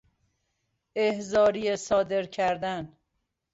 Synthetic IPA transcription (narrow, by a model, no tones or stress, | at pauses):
ehzɒːɾijesɒːd̪e̞ɾcʰæɾd̪æn